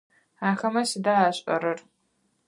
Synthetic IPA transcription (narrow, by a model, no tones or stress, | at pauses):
aːxɐmɐsɨdaaːɕʼɐ̰ɾɨr